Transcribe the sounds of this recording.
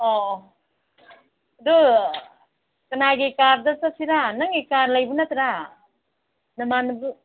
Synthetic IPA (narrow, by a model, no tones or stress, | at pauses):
ɔ | dɯ | kɐnaɡekaɾdasasiɾanaŋekaɾlajbɯnat̪ɾa | nɐmanɯbu